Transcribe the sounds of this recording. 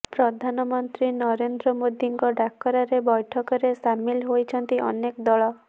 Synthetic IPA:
pɾɔd̪ʱanɔmɔnt̪ɾinɔɾend̪ɾɔmod̪iŋkɔɖakːɔɾaɾebɔjʈʰɔkɔɾesamilɦojt͡ʃʰɔnt̪iʔɔ̰nekɔd̪ɔɭɔ

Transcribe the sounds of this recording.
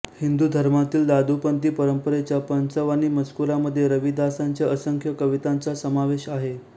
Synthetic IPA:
hind̪uːd̪ʱəɾmat̪iːld̪ad̪ʱupənt̪iːpəɾəmpəɾet͡ɕjapənsəʋañiːməd͡zkuɾaməd̪ʱːjeɾəʋid̪ʱasaɲt͡ɕjaʔəsəŋkʰjəkəʋit̪ant͡sasəmaʋeɕaɦe

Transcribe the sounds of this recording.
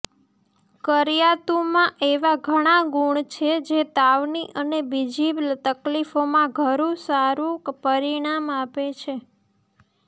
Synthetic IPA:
kəɾijat̪umãʔeʋaɡʱəɽ̃aɡuɳt͡ʃʰed͡ʒet̪aʋniʔənebid͡ʒiblt̪əklifomãɡʱəɾũsaɾũkpəɾiɽ̃amapet͡ʃʰe

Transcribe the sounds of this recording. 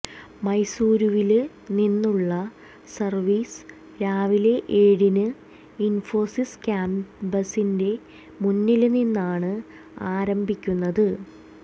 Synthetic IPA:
mɐjsuːɾuʋil | ninːuɭːɐ | sɐrʋiːs | ɾaːʋile̞ʔeːɽinɨ | info̞ːsiskʲaːmbɐsinde̞ | munːilninːaːɳɨ | aːɾɐmbʱikʲːunːɐðɨ

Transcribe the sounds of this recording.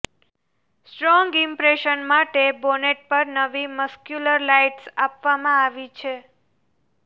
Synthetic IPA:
sʈɾɔ̃ŋɡimpɾeʃənmaʈeboneʈ̚pəɾnəʋiməskjuləɾlajʈsapʋamãaʋit͡ʃʰe

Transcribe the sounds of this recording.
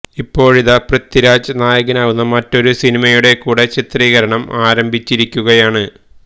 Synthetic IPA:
ipːo̞ːɻiðɐprɐt̪ːiɾaːd͡ʑɐnaːjɐɣɐnaːʋunːɐmɐtːo̞ɾusinimɐjuɽe̞kuːɽe̞t͡ɕit̪riːɣɐɾɐɳɐmaːɾɐmbʱit͡ɕːiɾikʲːuɣɐjaːɳɨ

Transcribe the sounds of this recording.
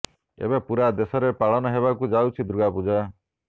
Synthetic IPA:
ḛbepuɾad̪esɔɾepaɭɔnɔɦeβakud͡ʒawt͡ʃʰid̪ɾuɡapud͡ʒa

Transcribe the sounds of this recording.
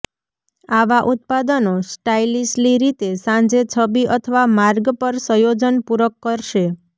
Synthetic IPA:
aʋaʔut̪̚pad̪ənosʈailisliɾit̪esãd͡ʒet͡ʃʰəbiʔət̪ʰəʋamaɾɡpəɾsə̃jod͡ʒənpuɾəkːəɾʃe

